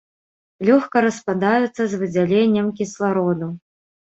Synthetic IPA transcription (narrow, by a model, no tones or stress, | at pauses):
lʲɔxkɐɾɐspad̪ajut̪sːɐzvɨd͡zʲalʲenʲːɐmkʲislˠaɾɔd̪u